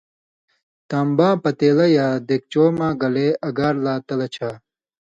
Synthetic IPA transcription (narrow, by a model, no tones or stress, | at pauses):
t̪aːmbãːpɐt̪eːlɐjaːd̪ek̚t͡ɕoːmãːɡɐleːɐɡaːɾlaːt̪ɐlɐt͡ɕʰaː